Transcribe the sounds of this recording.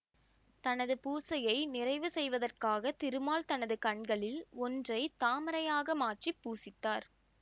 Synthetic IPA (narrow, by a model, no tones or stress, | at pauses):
t̪ɐnɐðɯpuːsɐjɐɪnɪrɐɪʋɯsɛjʋɐðɐrkaːɣɐt̪ɪɾɯmaːlt̪ɐnɐðɯkɐɳɡɐɭɪlɔndrɐɪt̪aːmɐɾɐjaːɣɐmaːʈripːuːsɪt̪ːaːɾ